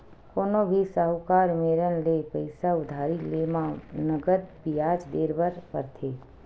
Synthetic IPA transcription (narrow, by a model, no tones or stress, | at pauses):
koːnobʱisəɦʊkaːɾmeːɾənlepəɪsaʊd̪ʱaːɾileːmãnəɡəd̪̚bijaːd͡ʒd̪eːɾbəɾpə̰ɾt̪ʰeː